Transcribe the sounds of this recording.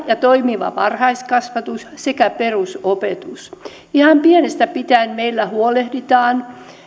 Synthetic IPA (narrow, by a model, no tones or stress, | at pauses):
jɑt̪oimiʋɑ̰ʋɑrhɑiskɑsʋɑt̪ussekæperusopet̪us | ihɑmpienest̪æpit̪æːnmeilːæhuolehdit̪ɑːn